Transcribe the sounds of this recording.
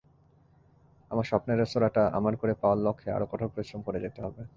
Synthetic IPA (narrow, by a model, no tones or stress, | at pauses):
amaɾʃɔpneɾest̪oɾaʈaʔa̰maɾkoɾepaalːɔkʰːea̰ɾokɔʈʰoɾpɾoiʃɾomkoɾed͡ʑet̪eɦɔbe